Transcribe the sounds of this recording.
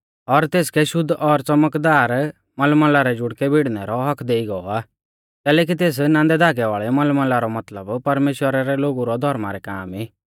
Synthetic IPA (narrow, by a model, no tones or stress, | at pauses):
ɔɾt̪eːskɛʃʊd̪ʱːʔɔɾt͡sɐməkd̪aːɾ | mɐlməlaɾɛd͡ʒʊɽkɛbʱiɽnɛɾɔɦɐkʰd̪eːiɡɔɔ̰aː | kɛːlɛːk̬it̪̬eːs̬nãːnd̪ɛd̪ʱaːɡɛʋaːɭɛmɐlmə̃laɾɔmɐt̪ləbpɐɾmeːʃwəɾaɾɛloːɡuɾɔd̪ʱɔɾma̰ɾɛka̰ːmiː